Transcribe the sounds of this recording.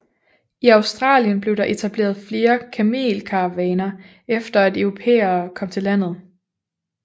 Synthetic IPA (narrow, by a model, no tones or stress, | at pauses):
iɑ̈ʊsd̥ʁɑ̰̈ːljənb̥le̝ʊɾ̥ɑ̈ʔe̝t͡sʰæb̥le̝̰ːɐðˠfle̝ːɐkʰæme̝̰ːlkʰɑʋɛːnɐ | efd̥ɐædœʊʁo̝pʰḛːɐːkʰɒ̽m̰t͡sʰe̝læn̰ð̞̩ˠ